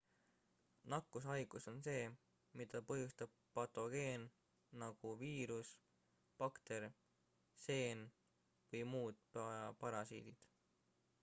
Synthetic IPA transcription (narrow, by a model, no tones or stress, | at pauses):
nɑkːˑusɑjɡ̥uso̞nse̞ː | mid̪ɑpɤɦjust̪ɑb̥̚pɑt̪o̞ɡ̥e̞ːnː | ɑɡ̥uviːɾus | pɑkt̪e̞ɾ | se̞ːn | vɤjmuːd̪̥̚ppɑɾɑsḭːd̪̥id̪̥